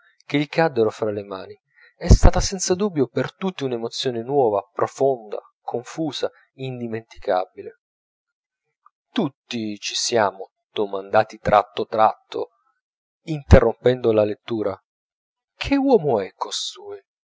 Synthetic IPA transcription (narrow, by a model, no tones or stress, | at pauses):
keʎikʰad̪ːeɾofɾalemaːni | ɛst̪aːt̪asɛnt̪sad̪ubːjopert̪ut̪ːiunemot̪sːjoːnenwɔːvapɾofond̪a̰ | kʰoɱfuːza | ind̪iment̪i̥ka̰bile | t̪ut̪ːit͡ʃisjaːmo | d̪̥omand̪aːt̪it̪ɾʔa̰t̪ːot̪ɾat̪ːo̰ | int̪erːompɛnd̪olalet̪ːuːɾa | kʰewɔːmoɛkːost̪uːj